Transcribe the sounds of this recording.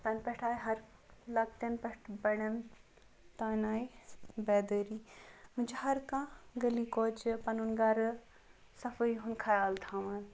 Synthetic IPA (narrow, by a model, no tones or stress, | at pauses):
p̪ɐnpɐʈʰaːjɦɐɾlɐk̚t̪ɐnpɛʈʰbɐɳɐn | t̪aːnaːjbɛːd̪əːɾiːmut͡ʃɦɐɾkãɡɐlikoːt͡ʃpɐnunɡaːɾ | sɐfəiɦunkʰɐjaːlt̪ʰaman